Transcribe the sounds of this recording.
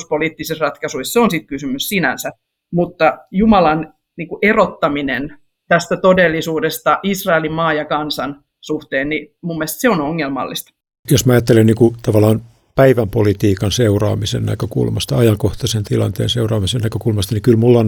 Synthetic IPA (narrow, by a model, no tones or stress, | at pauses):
spoliːˑt̪ːisesrɑt̪kɑsuisseonsit̪kysymyssinæ̰nsæ | mut̪ːɑjumɑlɑn | niːŋkuʔerot̪ːɑminen | t̪æst̪æt̪odelːisuːdest̪ɑʔisrɑelimmɑːjɑkɑnsɑn | suht̪eːnnimumːest̪seonoŋːelmɑ̰lːist̪ɑ̥ | josmɑɑjɑt̪ːelenniːŋkut̪ɑʋɑlɑːn | pæiʋæmpolit̪iːkɑnseurɑ̰ːmisḛnnæ̰køkṵlmɑst̪ɑɑjɑŋkoht̪ɑsent̪ilɑ̰nt̪ḛːnseurɑːmisennækøkulmɑst̪ɑnikylmulːon